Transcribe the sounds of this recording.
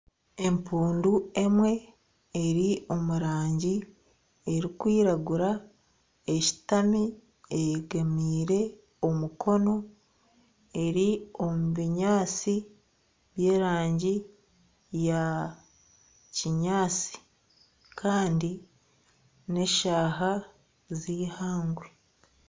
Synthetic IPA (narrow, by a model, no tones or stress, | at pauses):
e̞mpuːndue̞mwe̞ː | ɾio̞muɾaːɲɟi | e̞ɾikwiːɾaɡuɾa | e̞ci̥tami | eɡamiːɾe̞ | o̞mukʰo̞no̞ | e̞ɾio̞muβiɲaːt͡si | βje̞ːɾaːɲɟi | ja | ciɲaːt͡si̥ | kʰaːndi | ne̞ʃaːɦa | zihaːŋɡwe